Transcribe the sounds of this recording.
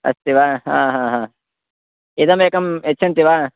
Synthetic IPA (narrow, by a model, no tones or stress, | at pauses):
ɐ̰st̪iʋaɦã̰ːɦãːɦãː | id̪ɐmeːkɐmetːt͡ʃʰɐnt̪iʋa